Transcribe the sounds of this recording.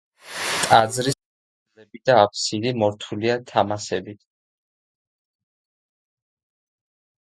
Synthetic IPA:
t̪ʼad̪zɾi | lɛbid̪aːpʰsilimɔɾt̪ʰuliat̪ʰamasɛbit̪ʰ

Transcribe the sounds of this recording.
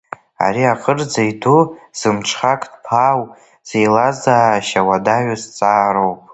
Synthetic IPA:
a̰ɾiaqʼərd͡zaiduz̥ɨmt͡ʃʰχakʼdpʰaw | z̥ejlazaːʃawadaɥazt͡sʼaːɾowpʼ

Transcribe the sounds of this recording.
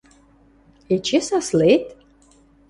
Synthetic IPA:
et͡ʃʰɪsaslejtʼ

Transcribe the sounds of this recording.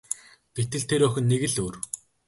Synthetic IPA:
ɡ̥et̪ɘ̆ɮt̪ʰeɾœxʲɘ̆nːeɣɘ̆ɮuːr

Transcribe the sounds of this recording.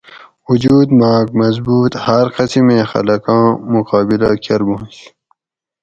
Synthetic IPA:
wud͡ʑuːd̪maːɡ̚mɐzbuːt̪hɐɾqʌsimẽːxɐ̰lɐkãːmuqaːbilakʰɐɾbuɦũt͡ɕ

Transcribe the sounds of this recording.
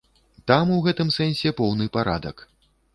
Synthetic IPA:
t̪amuɣɛt̪ɨmsɛnʲsʲɛpɔwnɨpaɾa̰d̪ɐ̰k

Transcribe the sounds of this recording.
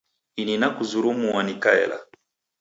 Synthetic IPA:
ininakuzuɾumuwanikaɛ̰la̰

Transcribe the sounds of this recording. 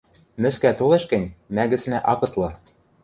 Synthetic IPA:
mɘ̆skæt̪oleʃkɘ̆nʲmæɣɘ̆t͡snæʔɑkɤ̆t̪lˠɤ̆

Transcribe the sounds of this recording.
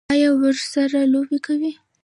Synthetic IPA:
ɑjɑwəʒsaɾalobekawi

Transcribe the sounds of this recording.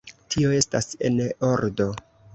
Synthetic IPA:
tʰio̞e̞stase̞̰noɾdo̞

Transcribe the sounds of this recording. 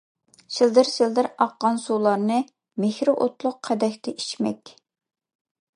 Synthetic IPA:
ʃɪld̪ɪɾsɪld̪ɪɾɑqːɑnsulˠɑɾnɨ | mehɾɪʔot̪lˠʊqʰːæd̪ɛkʲt̪ʰɛʔi̥ʃmɛ̰kʲ

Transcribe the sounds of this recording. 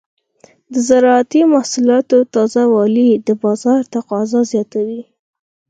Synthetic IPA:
d̪əzaɾɑat̪imahsulɑt̪ot̪ɑzawɑlid̪əbɑzɑɾt̪aqɑzɑzjɑt̪awi

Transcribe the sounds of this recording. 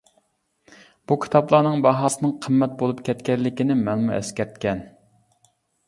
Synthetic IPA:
b̥ukʲʰi̥t̪ʰɑplˠɑːnɨŋbɑɦɑːsɨnɨŋqʰəmːɛt̪̚bolˠupkʲʰɛt̪kʲɛlːɪkʲinɪmɛlmuʔɛ̰skʲɛɾt̪̚kʲɛn

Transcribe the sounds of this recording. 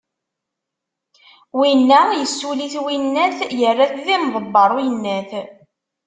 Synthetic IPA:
winːæjəsːuliθwinːæθjərːaθðimðˤəbːɑɾˤujənːæθ

